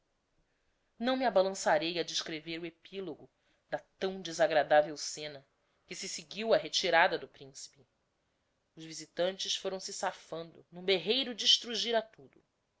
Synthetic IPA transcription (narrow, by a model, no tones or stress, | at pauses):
nɐ̃w̃miabalɐ̃saɾejɐd͡ʒɪʃkɾeveɾʊepʰiloɡʊ | d̪ɐt̪ɐ̃w̃d͡ʒizaɡɾad̪avewsẽnɐ | kɪsɪsɪɡiwɐɦet͡ʃiɾad̪ɐd̪ʊpɾĩsi̥pɪ | ʊzvizit̪ɐ̃nt͡ʃɪsfoɾɐ̃w̃sɪsafɐ̃nd̪ʊnũbeɦejɾʊd͡ʒiːʃt̪ɾuʒiɾat̪ud̪ʊ